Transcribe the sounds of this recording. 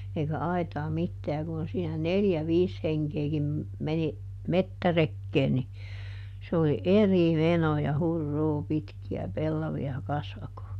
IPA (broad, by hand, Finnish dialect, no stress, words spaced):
eikæ ɑitɑː mitːæː jɑ kun siːnæ neljæ ʋiːs heŋkeːkim meni metːærekːeːn ni se oli eri menoː jɑ hurːuː pitkiæ pelːɑʋiɑ kɑsʋɑkoː